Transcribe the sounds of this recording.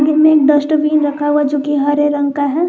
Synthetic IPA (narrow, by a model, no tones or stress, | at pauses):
ɡɪɾmẽeːk̚ɖəsʈəbiːnɾɐkʰaɦuad͡ʒoːkiɦɐɾeɾə̃ŋɡkaɦɛ